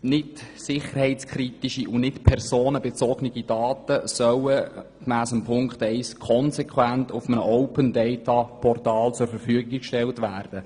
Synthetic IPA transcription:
nɪtsɪχərhɛɪt͡skχɾitiʃiʔʊnɪtpʰɛrsoːnəbɛt͡sɔɡniɡidɑːtəsœwəkmæːsəmpʰʊŋkχtɛɪskʰɔnsɛkʰwæntʊfəmənəʔɔʊpəndɛɪtɑpʰɔrtɑːlt͡sʊɾfəɾfyəɡiɡikʃtɛltʋæːrd̥ə

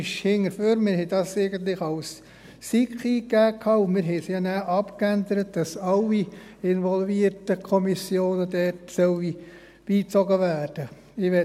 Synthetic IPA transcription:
ʃhɪŋəɾføːɾmɪɾhɛɪd̥ɑːsɛɪɡənt̪̬lɪχɑls | sikχiːkːæːkʰɑːʊnmɪɾɦɛɪsjɑːnæːʔɑpkændəɾət̚d̥ɑsɑlːi | ɪnʋɔlviətəkʰɔmisjoːnədɛtsœwi | b̥iːt͡sɔɡəʋæːɾd̥ə | ɪʋɛ

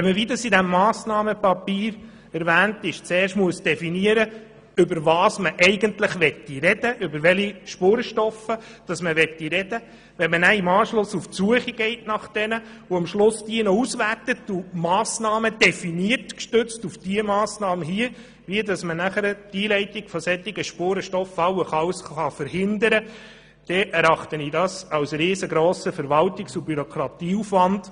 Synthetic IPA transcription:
ɛməʋidɑsidæmːɑːsnɑːməpɑpiːɾ | ɛɾʋæːntɪʃt͡seːrʃtmuəsd̥ɛfiniəɾə | ʏbəɾʋɑːsməʔɛɪɡəntləχʋɛtːiɾɛd̥əʔʏbəɾʋɛliʃpoɾʃtɔfəd̥ɑsməʋɛt̪ːiɾɛd̥ə | ʋɛnmənæɪmɑːʃlʊsuftsuəχiɡ̥ɛɪtnɑχd̥ɛnə | oɑmʃlʊsd̥iənɔusʋærtətumɑːsnɑːməd̥ɛfiniərtkʃtɵt͡stufd̥iəmɑːsnɑːməɦiə | ʋiədɑsmənæχəɾd̥iːlɛɪtiɡfɔsɛt̪ːɪɡəʃpoːɾəʃtɔfɑwəχɑwsχɑfəɾhɪndəɾə | d̥ɛʔɛɾɑχtənidɑsɑwsɾeːsəɡɾoːsəfəɾʋɑltiksubyɾɔkʰɾɑt̪iːufʋɑnd̥

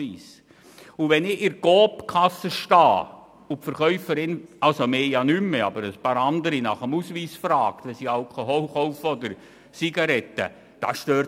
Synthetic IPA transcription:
iːs | ʊʋɛnɪɪɾɡ̥oːpkʰɑsəʃtɑː | ʊpfəɾχœʏfəɾɪnɑlsomeːjɑnymːəɑbəɾəspɑɾɑnd̪əɾinɑχəmusʋiːsfɾɑːkt̪ʋɛsiɑlkʰoɦoχɔlfɔd̪əɾ | siɡ̥ɑɾɛt̪ːə̰ | d̥ɑ̰sʃtøː

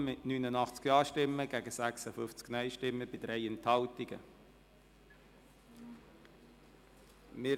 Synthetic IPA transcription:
mɪtnyːnənɑχt͡skjɑːʃtɪmːəɡ̥æɡəsæksəfʏft͡sknœʏʃtɪmːəb̥ɪd̥ɾɛɪɛnthɑltɪɡə̰ | mɪː

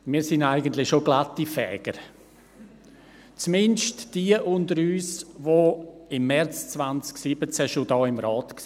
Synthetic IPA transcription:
miːɾsɪndaɪɡəntlɪxʃoɡlatːifɛ̰ːɡ̥əɾ | t͡smɪnʃtd̥iəʔʊndəɾyːsʋoɪmːɛɾt͡st͡svant͡sksiːbət͡sɛʃodɑːɪmɾɑːtks

